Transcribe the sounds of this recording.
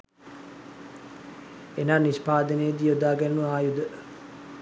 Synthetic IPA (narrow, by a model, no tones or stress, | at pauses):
enaːnispaːd̪ənejəd̪iod̪aːɡænːuʋəaːjud̪ə